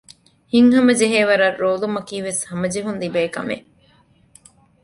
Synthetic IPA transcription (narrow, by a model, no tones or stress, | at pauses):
hiŋɦɐmɐd͡ʒeɦeːʋɐɾɐrːoːlumɐkiːʋeshɐmɐd͡ʒeɦunlibeːkɐ̰mḛ